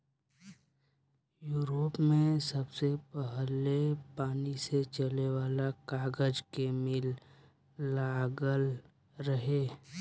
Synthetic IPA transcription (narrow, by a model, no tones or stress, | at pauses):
juːɾoːpmẽsɐbsepəɦlepaːniset͡ʃəleʋaːlakaːɡəd͡ʒkemɪlː | aːɡəl | ɾəɦeː